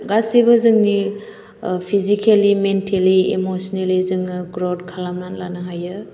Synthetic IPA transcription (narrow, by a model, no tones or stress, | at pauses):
ɡasibɐzɯŋni | pʰizikʰelimentʰeliemosɔnelizɯŋɯɡɾodkʰalamnanlanɐɦajɯ